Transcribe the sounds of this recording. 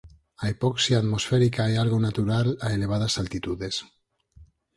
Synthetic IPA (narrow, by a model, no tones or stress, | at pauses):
aepɔksjiaːt̪mosfeɾikaealɣonat̪uɾalaeleβ̞að̞asalt̪it̪uðes